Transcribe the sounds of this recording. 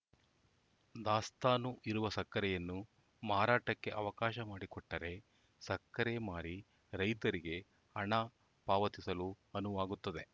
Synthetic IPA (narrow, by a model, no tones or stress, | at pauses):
d̪aːst̪aːnuʔiɾuʋɐsɐkːɐɾɛjɐnːu | maːɾaːʈɐkːe̞ʔɐʋɐkaːʃɐmaːɽikɔʈːɐɾe̞ | sɐkːɐɾemaːɾi | ɾɐjt̪ɐɾiɡe̞ | ɐɳɐ | paːʋɐt̪isɐlu | ɐnuʋaːɡut̪ːɐd̪e̞